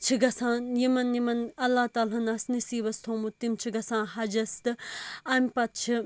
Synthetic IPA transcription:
t͡ʃʰiɡɐsãːnjimɐnjimɐnɐlːaht̪aːlanasnɐsiːbɐst̪ʰoːmut̪ːimt͡ʃʰiɡɐsãːnɦɐd͡ʒɐst̪ɨɐmpɐt̪̚t͡ʃʰi

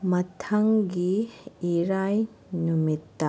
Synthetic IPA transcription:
mɐt̪ʰɐŋɡiiɾaj | numit̪ːa

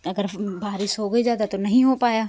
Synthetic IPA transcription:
ɐɡəɾbaːɾɪsɦoːɡɐid͡ʒaːd̪at̪onɐɦĩɦopaːjaː

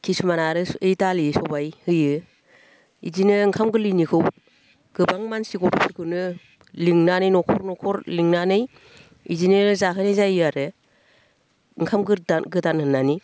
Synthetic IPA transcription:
kʰisumanaɾɯɯjtalisɔbajhɯjɯ | ḭzinɯɯŋkʰamɡɯlɯnikʰɯw | ɡ̥ɯbaŋmansiɡɔpʰɔɾkʰɯnɯ | liŋnanɯjnɔkʰɔɾnɔkʰɔɾliŋnanɯj | ḭzinɯzaɦʰɯnejzajɯaɾɯ | ɯŋkʰamɡɯɾdanɡɯdanhɯnːani

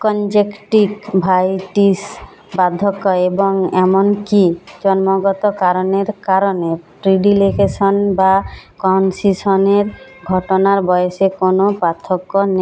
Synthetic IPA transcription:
kɔnd͡ʒekʈikbʱajʈis | bad̪ʱːɔkːɔebɔŋɛmɔnkid͡ʒɔnmɔɡɔt̪ɔkaɾɔneɾkaɾɔnepɾiɖilekʰesɔnbakɔnsisɔneɾɡʱɔʈɔnaɾbɔjesekonopat̪ʰɔkːɔne

